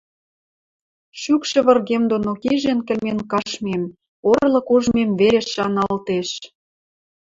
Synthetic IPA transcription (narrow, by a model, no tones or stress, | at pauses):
ʃykʃɤ̆βə̆rɣemd̪onokiʒenkɘ̆lmenkɑʃmem | orlɤ̆kuʒmemβeɾeʃːɑnɑlt̪eʃ